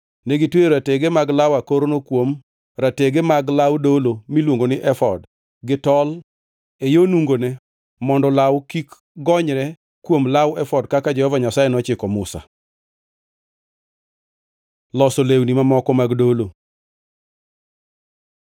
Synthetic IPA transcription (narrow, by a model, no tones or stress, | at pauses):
neɡɪtweoɾateɡemaɡlawakoɾonokwom | ɾateɡemaɡlawdolomilwoŋɡonɪʔɛfɔd | ɡɪtɔl | ejonuŋɡonɛ | mɔndɔlawkik | ɡɔɲɾɛ | kwomlawɛfɔdkakad͡ʒɛhɔvaɲasajenɔt͡ʃɪkɔmʊsa̰ | lɔsolewnimamɔkɔmaɡdolo